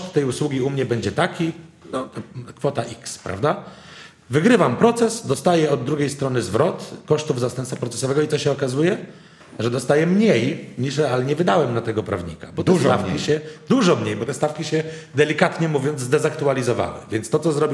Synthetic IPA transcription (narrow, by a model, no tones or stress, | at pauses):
t̪ːɛjuswuɡʲiumɲɛbɛɲd͡ʑɛt̪akʲi | nɔt̪ɔkfɔt̪aʔikspɾʔa̰vd̪a | vɘɡɾɘvampɾɔt̪sɛsd̪ɔst̪ajɛɔd̪̚ːɾuɡʲejst̪ɾɔnɘzvɾɔt̪kɔʂt̪uvzast̪ɛmpt̪fapɾɔt̪sɛ̥sɔvɛɡɔit̪ɔɕɛɔkazujɛ | ʐɛd̪ɔst̪ajɛmɲejɲiʂɾɛalɲɛvɘd̪awɛmnat̪ɛɡɔpɾa̰vɲḭka̰bɔt̪ɛsafkʲiɕɛd̪uʐɔmɲejbɔt̪ɛst̪afkʲiɕɛd̪ɛlʲikat̪ɲɛmuvʲjɔnd̪zd̪ɛzakt̪ualʲizɔva̰wɘ̰vʲjɛnt̪st̪ɔt̪sɔzɾɔbʲi